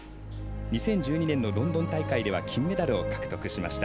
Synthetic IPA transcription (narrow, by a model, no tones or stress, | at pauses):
ɨ̥ | ɲ̟isẽ̞ɲ̟d͡ʑɨːɲ̟inẽ̞nːo̞ɾõ̞nd̪o̞nt̪aikaid̪e̞β̞a̰kʲĩmːe̞d̪aɾɯ̟o̞kḁkɯ̥t̪o̞kɯ̟ɕima̰ɕi̥t̪a